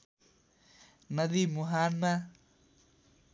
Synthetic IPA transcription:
nʌd̪imuɦanma

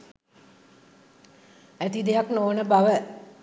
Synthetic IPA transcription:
æt̪id̪eɦaknoːnəbaʋə

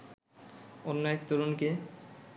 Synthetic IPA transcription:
onːaek̚t̪oɾonke

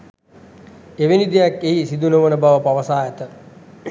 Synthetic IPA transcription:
eʋenid̪ejakːeɦisid̪unəʋənəbaʋəpaʋəsaːæt̪ə

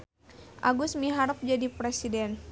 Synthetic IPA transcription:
ʔaɡusmiɦaɾəp̚d͡ʒadipɾesidɛn

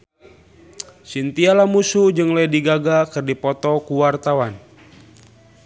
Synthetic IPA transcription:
sint̪ialamusud͡ʒɨŋlɛdiɡaɡakɨrdipɔt̪ɔkuwart̪awan

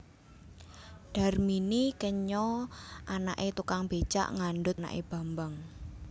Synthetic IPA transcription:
ɖ̥a̤rminikəɲɔʔanaʔet̪ukaŋb̥e̤t͡ʃa̰ʔŋanɖʊt̪̚na̰ʔḛb̥a̤mbaŋ

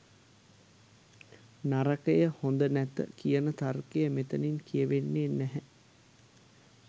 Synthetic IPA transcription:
naɾəkəjəhond̪ənæt̪ə̰kijənət̪arkejəmet̪əninkijəʋenːeːnæɦɛ

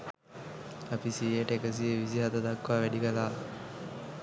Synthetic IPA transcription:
apisijəʈəekəs̬ieʋisiɦat̪əd̪akʋaːʋɛɖikəlaː

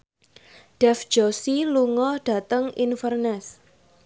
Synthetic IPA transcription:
ɖ̥ɛfd̥d͡ʒ̥ɔsiluŋɔɖ̥a̤t̪əŋinfərnɛs

